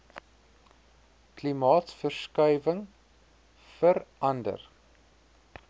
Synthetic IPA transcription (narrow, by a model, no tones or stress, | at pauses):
klimɑːtfərskœjvəŋ | fəɾɐndə̰r